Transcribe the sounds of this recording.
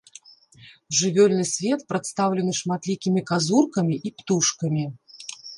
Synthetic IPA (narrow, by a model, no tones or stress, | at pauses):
ʐɨvʲɔlʲnɨsʲvʲɛt̪̚pɾɨt̪st̪awlʲɛn̪ɨʂmat̪lʲikʲimʲikazurkɐmʲiʔipt̪uʂkɐmʲi